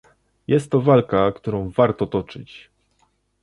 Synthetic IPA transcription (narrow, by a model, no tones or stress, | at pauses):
jɛst̪ːɔvalkakt̪uɾɔ̃w̃vaɾt̪ɔt̪ɔt͡ʂɘ̰t͡ɕ